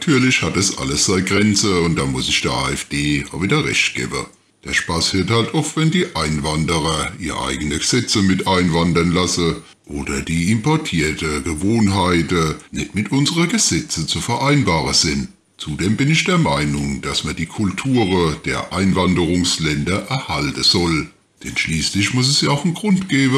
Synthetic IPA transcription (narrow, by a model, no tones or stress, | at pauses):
natʰyːɐlɪʃhat̚d̥asʔa̰ləsz̥aɪɡʁɛnt͡səʊnt̚d̥amʊsɪçd̥eːɐʔa̰ːɛfd̥eːaviːdɐʁɛ̰ʃt̚ɡ̥ɛ̰ːbə̰ | d̥aʃpasiːɐthaltʔɔftvɛndiːʔaɪnvandəʁɐʔiːʁə̰ʔa̰ɪɡənəɡ̥əz̥ɛt͡səmɪtʔaɪnvandɐnlasə | ʔoːdɐdiːɪmpʰɔɐtʰiːɐtəɡəvoːnɦaɪtənɛtmɪtʔʊnzəʁəɡəzɛt͡sət͡sufɛɐʔaɪnbaːʁəz̥ɪn | t͡sudeːmbɪnɪçd̥eːɐmaɪnʊŋd̥asmɐd̥iːkʰʊltʰuːʁəd̥ḛːɐʔaɪnvandəʁʊŋslɛndɐʔɛɐhaltəz̥ɔl | d̥ɛnʃliːslɪçmʊs̬ɛsjaaʊxn̩ɡ̥ʁʊntɡ̥ɛːbə